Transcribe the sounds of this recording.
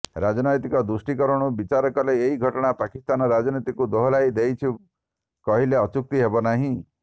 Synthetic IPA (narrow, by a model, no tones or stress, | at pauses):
ɾad͡ʒɔnɔjt̪ikɔd̪ɾusʈikɔɾɔɽ̃ubit͡ʃaɾɔkɔleːɦiɡʱɔʈɔɽ̃apakist̪anɔɾad͡ʒɔnit̪ikud̪oɦɔlaid̪ejt͡ʃʰi | kɔɦileɔt͡ʃuk̚t̪iɦebɔnaɦĩ